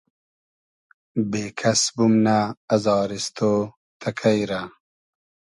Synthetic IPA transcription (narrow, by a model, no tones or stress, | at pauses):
beːkʰɐsbumnaːzɑːɾist̪ʰoː | t̪ʰɐkʰɐjɾa